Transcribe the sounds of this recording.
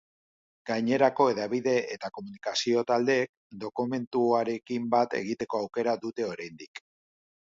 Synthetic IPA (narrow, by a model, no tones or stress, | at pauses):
ɡ̥ajɲe̞ɾako̞e̞ðaβiðe̞ʔet̪ako̞munikasio̞t̪ald̪e̞ːk̚ | d̪o̞kume̞nt̪uaɾe̞kimbat̪e̞̰ɣ̞it̪e̞ko̞awke̞ɾaðut̪e̞o̞ɾajnd̪ik